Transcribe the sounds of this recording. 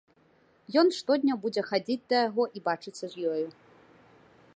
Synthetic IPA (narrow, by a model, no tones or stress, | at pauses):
jɔnʂt̪ɔd̪ʲnʲɐbud͡zʲɛxad͡zʲit͡sʲd̪ɐjaɣɔʔibat͡ʂɨt̪sːɐʐjɔju